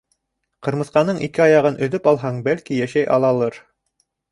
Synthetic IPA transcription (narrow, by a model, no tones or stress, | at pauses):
qɤ̆ɾmɤ̆θqɑnɤɴʔikɘɑjɑʁɤnʔɵ̆ðɵpɑlˠɦɑɴbælkijæʃæjʔɑ̰lˠɑlˠɤɾ